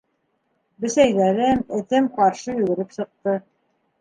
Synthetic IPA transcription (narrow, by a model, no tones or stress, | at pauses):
bɘ̆sæjðæɾɘmɘ̆t̪ɘmqɑɾʃɤjʉɡɘ̆ɾɘpsɤ̆q̚t̪ɤ